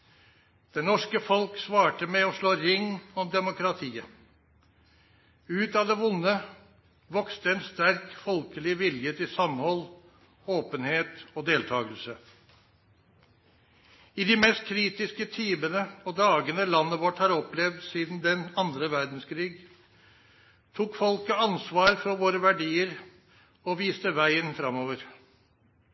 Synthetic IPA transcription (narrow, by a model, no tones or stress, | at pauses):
d̪̥ɛnːɔʂkəfɔlksʋɑːʈəmɛɔʂɭoːɾɪŋːɔmd̪ɛmʊkɾɑt̪ʰiːə | ʉːt̪ɑd̪ɛʋʊnːə | ʋɔkst̪əɛnst̪æɾkfɔlkəlɪʋɪljət̪ʰɪlsɑmhɔl | oːpənheːt̪ɔd̪eːlt̪ʰɑːɡəlsə | ɪd̪ɪmɛst̪̚kʰɾiːt̪ɪskət̪ʰiːmənəɔd̪ɑːɡənəlɑnːəʋɔʈːhɑːɾɔplɛʋd̪siːd̪n̩d̪ɛnɑnd̪ɾəʋæɾd̪n̩skʰɾiːɡ | t̪ʰuːkfɔlkəɑnsʋɑːɾfɔɾʋoːɾəʋæɖiːəɾ | ɔʋiːst̪əʋæɪənfɾɑmoːʋəɾ